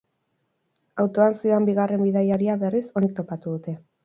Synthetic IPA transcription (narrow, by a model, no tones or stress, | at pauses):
awt̪o̞ansio̞ambiɣare̞mbiðajaɾiaβe̞riso̞nit̪o̞pat̪uðut̪e̞